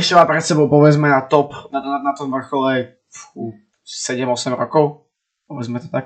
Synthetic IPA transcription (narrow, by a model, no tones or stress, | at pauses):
ʃt͡ʃɛvapɾɛt̪sɛbowpovɛzmɛnat̪opnananat̪omvr̩xolɛ | fu | sɛdɛmosɛmɾokow | povɛzmɛt̪ot̪ak